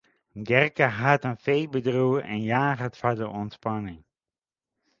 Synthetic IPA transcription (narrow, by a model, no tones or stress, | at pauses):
ɡɛrkəɦatənfejbədruəʔɛ̰njaːχətfadəɔntspanɪŋ